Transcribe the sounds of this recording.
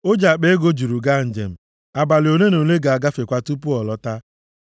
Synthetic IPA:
o˦d͡ʒa˨k͡pe˦e˦ɡo˦d͡ʒu˨ɾu˨ɡa˦˨n̩˨d͡ʒḛ˨m̩˨ | a˨ba˨lɪ˨o˨ne˦no˨le˦ɡa˨a˨ɡa˦fe˨kʷa˦tu˦pu˦ɔ˨lɔ˦ta˦

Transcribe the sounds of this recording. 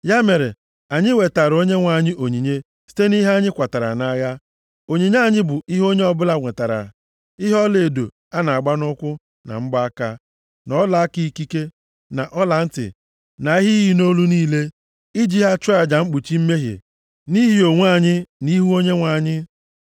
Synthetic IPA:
ja˦me˨ɾe˨ | a˨ɲɪ˦we˨ta˨ɾo˦ɲe˦ŋʷa˨ɲɪ˦ʔo˨ɲi˨ɲe˦ | si̥˦te˦ni˦ɦa˦ɲɪ˦kʷa˨ta˨ɾa̰˨na˦ja˦ | o˨ɲi˨ɲa˦˨ɲɪ˦bʊ˨ʔi˦ɦo˦ɲe˦ɔ˦bʊ˦la˦ŋʷe˨ta˨ɾa̰˨ | i˦ɦɔ˦le˨do̰˨ | a˦na˨a˨ɡ͡ba˦nʊ˦kʷʊ˦ | na̰˨ŋ͡m̩˦ɡ͡ba˦ka˦ | nɔ˦la˨a˦ki˦i˦ki˦ke˦ | na˨ʔɔ˦la˨n̩˦tɪ̰˨ | na˨i˦ɦi˦ɦi˦no˦lu˦niː˦le˦ | i˦d͡ʒi˦ɦa˦t͡ʃa˨d͡ʒa˨ŋ͡m̩˦k͡pu˨t͡ʃi˦m̩˦me˦ɦḭ˨ | ni˦ɦi˦o˨ŋʷ˦a˦˨ɲɪ˦ni˦ɦu˦o˦ɲe˦ŋʷa˨ɲɪ˦

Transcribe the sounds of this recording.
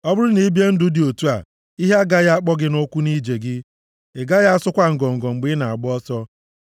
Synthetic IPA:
ɔ˦bʊ˦ɾʊ˦ni˦bje˦n̩˦dʊ˨di˨o˨tu˦a̰˨ | i˦ɦa˦a˦ɡa˦ja˦a˦k͡pɔ˦ɡɪ˦no˦kʷu˦ni˦d͡ʒe˨ɡɪ˦ | ɪ˨ɡa˦ja˦a˦sʊ˦kʷa˦ŋ̩˨ɡɔ˨ŋ̩˨ɡɔ˨ŋ͡m̩˨ɡ͡bɪ˦na˨a˨ɡ͡bɔ˦sɔ˦

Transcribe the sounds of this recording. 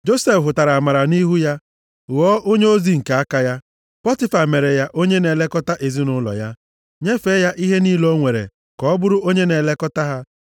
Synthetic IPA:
d͡ʒo˦se˦˨fɦʊ˨ta˨ɾa˨a˨ma˨ɾa˨ni˦ɦu˦ja˦ | ɣɔ˦ʔo˦ɲe˦o˦zi˦ŋ̩˨ka˨a˦ka˦ja˦ | pɔ˦ti˦fa˨me˨ɾe˨ja˦ʔo˦ɲe˦ne˨le˦kɔ˦ta˦ʔe˨zi˦nʊ˦lɔ̰˨ja˦ | ɲe˦fe˦ja˦ʔi˦ɦe˦ni˦lo˦ŋʷe˨ɾḛ˨ | kɔ˦bʊ˦ɾʊ˦ʔo˦ɲe˦ne˨le˦kɔ˦ta˦ɦa˦

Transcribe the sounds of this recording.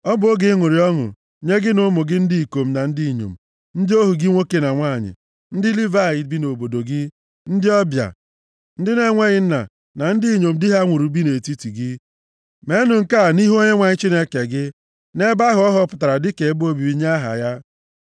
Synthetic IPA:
ɔ˦bʊ˦o˦ɡɪ˦ŋʷʊ˨ɾi˨ɔ˦ŋʊ̰˨ | ɲe˦ɡɪ˦nʊ˦mʊ˨ɡɪ˦n̩˦di˦i˨ko˨m̩˦na˨n̩˦di˦˨ɲo̰˨m̩˨ | n̩˦dɪ˦o˦ɦu˨ɡɪ˦ŋʷo˦ke˨na˨ŋʷa˦˨ɲɪ̰˨ | n̩˦dɪ˦li˦va˦˨ɪ˨bi˦no˨bo˨do˨ɡɪ˦ | n̩˦dɪ˦ɔ˦bja̰˨ | n̩˦dɪ˦ne˦ŋʷe˦ɣɪ˦n̩˦na̰˨ | na˨n̩˦di˦˨ɲo˨m̩˦dɪ˦ɦa˦ŋʷu˨ɾu˨bi˦ne˨ti˦ti˨ɡɪ˦ | me˦nʊ˨ŋ̩˦ka˦˨ni˦ɦo˦ɲe˦ŋʷa˨ɲɪ˦t͡ʃi˦ne˦ke˨ɡɪ˦ | ne˦ba˦ɦʊ˨˦ɔ˦ɦɔ˦pʊ̥˨ta˨ɾa˨dɪ˦ke˨˦bo˦bi˨bi˨˦ɲa˦ɦa̰˨ja˦

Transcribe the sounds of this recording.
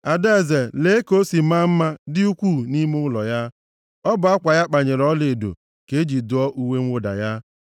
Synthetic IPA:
a˨de˦˨ze˨le˨e˦ko˦si˨ma˦m̩˦ma˦dɪ˦u˦kʷu˦˨ni˦mʊ˦ʊ˦lɔ˨ja˦ | ɔ˦bʊ˨a˦kʷa˨ja˦k͡pa˨ɲe˨ɾɔ˦le˨do̰˨ | ke˦e˦d͡ʒi˨dʊ˨ɔ˦ʔu˦we˦ŋ̩ʷ˦ʊ˦da̰˨ja˦

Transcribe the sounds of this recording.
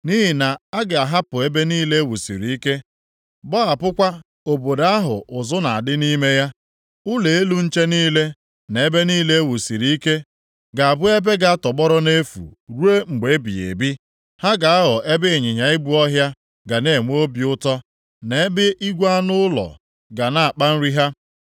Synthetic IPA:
ni˦ɦi˨na˨a˦ɡe˨a˨ɦa˦pʊ˨e˦be˦niː˦le˦e˦wu˨sḭ˨ɾi˨i˦ke˦ | bɔ˦a˨pʊ˦kʷa˦ | o˨bo˨da˦ɦʊ̰˨ʔʊ˨zʊ˦na˨a˨dɪ˦ni˦me˦ja˦ | ʊ˦le˨e˦lu˦n̩˦t͡ʃe˦niː˦le˦ | ne˨e˦be˦niː˦le˦e˦wu˨si˨ɾi˨i˦ke˦ | ɡa˨a˨bʊ˦e˦be˦ɡa˦tɔ˨ɡ͡bɔ˦ɾɔ˦ne˦fṵ˨ɾu˦e˦ŋ͡m̩˨ɡ͡be˨˦bḭ˨ḛ˨bi˦ | ha˦ɡa˨a˦ɦɔ˨ʔe˦bɪ˦˨ɲɪ˨ɲa˨ɪ˦bu˦ɔ˦ɦja˦ | ɡa˨ne˦˨ŋʷ˦o˦bi˨ʊ˦tɔ˦ | ne˦bɪ˦ʔi˦ɡʷa˦nʊ˦ʊ˦lɔ̰˨ | ɡa˨na˦a˨k͡pa˦n̩˦ɾi˦ɦa˦

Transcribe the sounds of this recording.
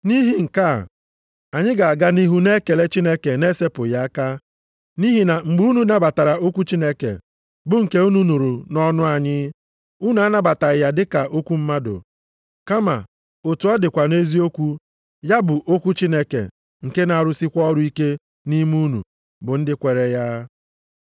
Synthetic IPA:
ni˦ɦi˦ŋ̩˨ka̰˦˨ | a˨ɲɪ˦ɡa˨a˨ɡa˦ni˦ɦu˦ne˦ke˨le˦t͡ʃi˦ne˦ke˨ne˦se˦pʊ˨ja˦a˦ka˦ | ni˦ɦi˨na˨ŋ͡m̩˨ɡ͡bu˦u˦nu˦na˦ba˨ta˨ɾa˨o˦kʷu˦t͡ʃi˦ne˦kḛ˨ | bʊ˦ŋ̩˨ke˦u˦nu˦nu˨ɾu˨nɔ˦nʊ˦a˨ɲɪ˦ | u˦nu˨˦a˦na˦ba˨ta˨ɾɪ˨ja˨dɪ˦ka˨ʔo˦kʷu˦m̩˦ma˦dʊ̰˨ | ka˦ma̰˨ | o˨tu˨ɔ˦dɪ˨kʷa˨ne˦zi˦o˦kʷu˦ | ja˦bʊ˨ʔo˦kʷu˦t͡ʃi˦ne˦kḛ˨ | ŋ̩˨ke˦na˨a˨ɾʊ˦si˦kʷɔ˦ɾʊ˦i˦ke˦ | ni˦mu˦nṵ˨ | bʊ˨n̩˦dɪ˦kʷe˨ɾe˨ja˦

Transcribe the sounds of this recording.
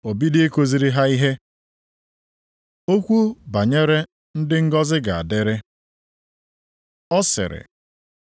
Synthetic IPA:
o˨bi˦de˦e˦ko˦zi˨ɾi˦ɦa˦i˦ɦe˦ | o˦kʷu˦ba˨ɲe˦ɾe˦ | n̩˦dɪ˦ŋ̩˦ɡɔ˦zɪ˦ɡa˨a˨de˦ɾe˦ | ɔ˦sɪ̰˨ɾɪ̰˨

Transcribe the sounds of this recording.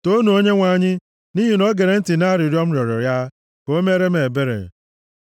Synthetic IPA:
to˦nu˨o˦ɲe˦ŋʷa˨ɲɪ˦ | ni˦ɦi˦nɔ˦ɡe˨ɾe˨n̩˦tɪ˨na˦ɾɪ˨ɾjɔ˦m̩˦ɾjɔ˨ɾɔ̰˨ja˦ | ko˦me˦ɾe˦m̩˦e˨be˦ɾḛ˨

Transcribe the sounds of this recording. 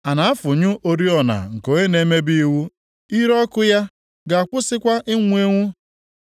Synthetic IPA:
a˨na˨a˦fʊ˨ɲʊ˦ʔo˦ɾi˦ɔ˨na̰˨ŋ̩˨ko˨e˦ne˨˦me˦bi˦wu˦ | i˦ɾɔ˦kʊ˦ja˦ | ɡa˨a˨k͡pʊ˦sɪ˦kʷa˦ʔɪ˦ŋʷ˦e˦ŋʷu˦

